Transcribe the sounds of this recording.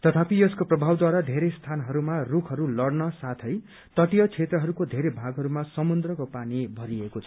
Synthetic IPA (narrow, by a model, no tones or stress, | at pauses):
t̪ʌt̪ʰapijʌskoprʌbʱawd̪waɾad̪ʱeɾest̪ʰanɦʌɾumarukʰɦʌɾulʌɽnʌsat̪ʰʌj | t̪ʌʈijʌt͡sʰet̪rʌɦʌɾukod̪ʱeɾebʱaɡɦʌɾumasʌmund̪rʌkopanibʱʌɾiekot͡sʰʌ̥